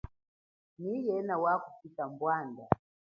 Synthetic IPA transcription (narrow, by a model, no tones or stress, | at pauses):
nijɛnawakupitambwanda